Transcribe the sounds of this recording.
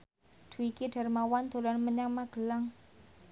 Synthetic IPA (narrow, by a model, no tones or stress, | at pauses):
d̪̥ṳikiɖ̥a̤rmawand̪̥o̤lɔnməɲaŋmaɡ̥ə̤laŋ